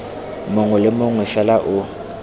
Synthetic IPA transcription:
moŋwɛlɪmoŋwɛfɛlaʔʊ

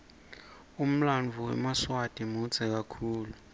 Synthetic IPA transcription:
um̩lanvʱuwɛ̰maswad̥ʱʼimud͡zʱʼɛk̬akʰuːlu

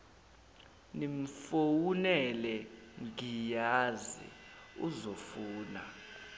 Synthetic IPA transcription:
nim̩fowunɛlɛŋijazḭuzofuːna

